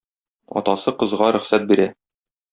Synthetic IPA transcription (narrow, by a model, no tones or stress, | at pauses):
ɒ̰t̪ɑsɤqɤ̆zʁɑɾɵ̆χsæt̪̚biɾæ